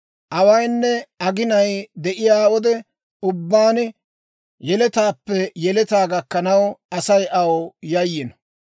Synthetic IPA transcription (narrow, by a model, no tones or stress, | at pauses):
ʔɐwɐjnːɛɐɡɪnɐjd̪ɛʔɪjaːwɔd̪ɛ | ʊbːaːn | jɛlɛt̪aːpːɛjɛlɛt̪aːɡɐkːɐnɐwɐsɐjʔɐwjɐjːɪn